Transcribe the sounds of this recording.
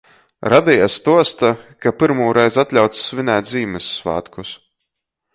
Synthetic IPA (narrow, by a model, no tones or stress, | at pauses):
ɾad̪ʲijast̪uɔst̪akapiɾmuːɾɛjzat̪lʲawt̪sːvinɛːt̪̚ʲziːmɨsːvæ̰ːt̪kus